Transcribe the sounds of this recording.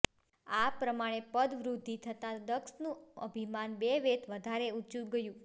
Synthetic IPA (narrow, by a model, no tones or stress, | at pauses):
apɾəmaɽ̃epəd̪ʋɾud̪ʱːit̪ʰət̪ãd̪əksnũə̰bʱimanbeʋet̪ʰʋəd̪ʱaɾeut͡ʃũɡəjũ